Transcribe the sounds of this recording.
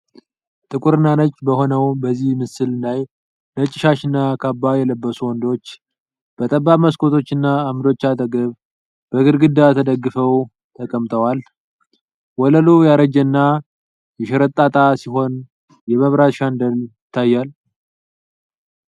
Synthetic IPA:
t̪ʼɨkʼuɾɨnanət͡ʃːbəho̞nəwbəzːihmɨsɨllaj | nət͡ʃʼːɪʃaʃɨnːakʰabːajɛləbːəsuwɔnd̪o̞t͡ʃː | b̥ət̪ʼəbːaməskʰʼo̞t̪ʰo̞t͡ʃːɨnːaːmd̪o̞t͡ʃːat̪ʰəɡəβ | b̥əɡɨɾɡɨd̪at̪ʰəd̪əɡːɨfəw | t̪ʰəkʼəmt̪ʰəwal | wɔləlujaɾəd͡ʒənːa | jɛʃɛɾət̪ʼːat̪ʼasiɦo̞n | jɛməβɾat̪ʃand̪əljɪt̪ʰːajːal

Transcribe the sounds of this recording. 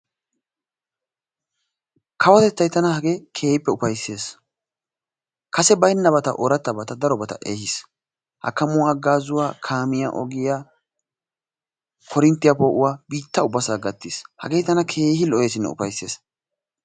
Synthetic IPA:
kʰɐwɐt̪ɛt͡sːɐjt̪ɐnɐhɐɡekʰe̞ːɪpːɛʊpɐjsːe̞ːs | kɐsɛbɐjnːɐbɐt̪ɐ̰ʔɔɾɐt̪ːɐbɐt̪ɐd̪ɐɾɔbɐt̪ɐ̰ʔeːhɪs | hɐ̰kːɐmʊwaːɡaːzʊwaːkʰaːmɪja̰ʔɔ̰ɡɪjaː | kʰɔɾɪnt̪ːɪjapoːʔʊwaːbiːt̪ːɐʊbːɐsaːɡɐt̪ːishɐ̰ɡeːt̪ɐnɐkʰe̞ːhɪlɔjeːsɪnːɛ̰ʊ̰pɐjsːe̞̰ːs

